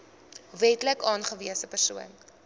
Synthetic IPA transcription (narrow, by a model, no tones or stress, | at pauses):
vɛtləkɑːnχəviəsəpərsuən